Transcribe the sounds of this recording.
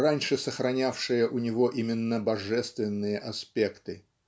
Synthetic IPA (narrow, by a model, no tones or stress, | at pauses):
ranʲʂɨsəxɾɐnʲafʂɨjəʔʊnʲɪvo̞ʔimʲɪnːəbɐʐɛst̪vʲɪnːɨjəʔɐspʲe̞kt̪ɨ